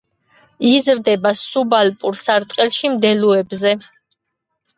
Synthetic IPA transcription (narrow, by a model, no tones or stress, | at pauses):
izɾd̪ɛbasubalpʼuɾsaɾt̪ʼqʼɛlˠʃimd̪ɛluɛbzɛ